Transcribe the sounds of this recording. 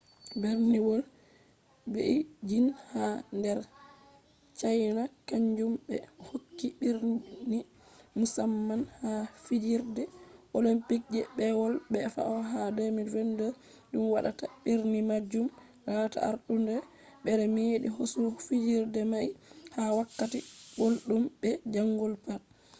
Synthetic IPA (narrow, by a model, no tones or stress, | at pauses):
beɾniwɔl | bḛʔid͡ʒinhandɛɾ | t͡ʃajnakaɲd͡ʒumbɛ̰hokːiɓiɾni | musamːanhafid͡ʒiɾdɛʔolimpik̚d͡ʒɛbɛwɔlɓɛfa̰ʔɔɦadomivɛndɔ | ɗumwaɗataɓiɾnimad͡ʒum | lata̰a̰ɾɗundɛ | ɓɛɾɛmeɗḭɦosufid͡ʒiɾdɛmajhawakːatibolɗumɓɛd͡ʒaŋːɡɔlpat̚